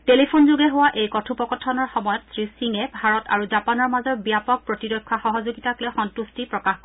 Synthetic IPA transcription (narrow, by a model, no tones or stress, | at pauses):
telipʰonzuɡɛɦʊwaʔejkɔtʰupɔkɔtʰːɔnɔɹxɔmɔjɔtsɹisiŋɛbʱaɹɔtʰa̰ɹuzapanɔɹmazɔɹbijapɔk̚pɹɔtiɹɔjkʰːaxɔɦɔzuɡitaklɔxɔntustipɹɔkaxkɔ